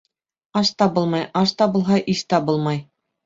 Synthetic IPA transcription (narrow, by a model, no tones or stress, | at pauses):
ɑʃt̪ɑbɤlˠmɑjɑʃt̪ɑbɤ̆lˠɦɑʔiʃt̪ɑbɤlˠmɑj